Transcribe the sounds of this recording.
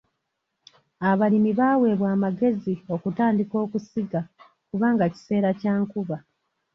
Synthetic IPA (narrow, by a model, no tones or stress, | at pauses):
aβalimiβaːwe̞ːβwaːmaɡe̞zio̞kutaːndiko̞ːkusiɡa | kuβaːŋɡaci̥se̞ːɾacaːŋkuβa